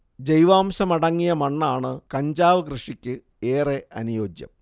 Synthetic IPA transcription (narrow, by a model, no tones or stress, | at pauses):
d͡ʑejʋaːmɕɐmɐɽɐŋːijɐmɐɳːaːɳɨkɐɲd͡ʑaːʋɨkrɨʂikʲːɨ | eːreʔɐnujo̞ːd͡ʑjɐ̰m